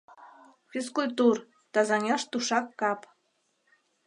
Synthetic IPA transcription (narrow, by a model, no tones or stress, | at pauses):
fʲis̬kulʲt̪ur | t̪ɑzɑnʲɑʃt̪uʃɑkːɑp